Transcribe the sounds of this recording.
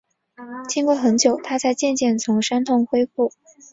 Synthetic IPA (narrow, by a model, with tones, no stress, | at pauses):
t͡ɕʰi˥ŋkwɔ˥˩xə˧˥nt͡ɕjo˨˩ʊt̪ʰa˥t͡sa˥˧ɪt͡ɕjɛ˥˧nt͡ɕjɛ˥˩nt͡sʰʊ˧˥ŋʂa˥nt̪ʰʊ˥˧ŋxwe˥ɪfu˥˩